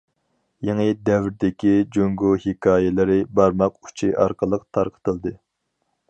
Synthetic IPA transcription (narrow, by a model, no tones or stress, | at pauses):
jeŋəd̪ɛvɾd̪ɪkʲid͡ʒoŋɡohikʰɑːjɛlɪɾɪbɑɾmɑqu̥t͡ʃʰiʔɑ̰ɾqʰəlˠəqt̪ʰɑɾqʰə̥t̪əlˠd̪ɨ